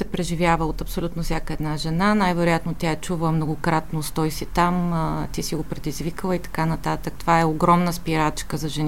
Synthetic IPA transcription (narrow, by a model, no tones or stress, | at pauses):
sɛpɾɛʒivʲjavəot̪ɐpsolʲut̪nofsʲjakəɛd̪naʒɛnanajvɛɾojat̪not̪ʲaɛt͡ʃuvəmnoɡokɾat̪nost̪ɔjsit̪amt̪isiɡopɾɛd̪izvikəlˠəit̪ɐ̥kanɐt̪at̪ək̚t̪ovaɛoɡɾɔmnəspiɾat͡ʃkəzɐʒɛni